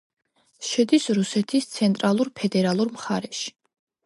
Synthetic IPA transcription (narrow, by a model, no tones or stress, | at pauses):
ʃɛd̪isɾusɛt̪ʰist̪sʰɛnt̪ʼɾalˠuɾpʰɛd̪ɛɾalˠuɾmχaɾɛʃi̥